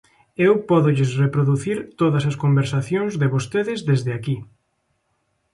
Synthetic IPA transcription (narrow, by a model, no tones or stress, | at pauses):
ewpɔðʊʎesrepɾoðuθiɾt̪oðɐsɐskombeɾsaθjoŋzðeβost̪eðɪzðezðɪaki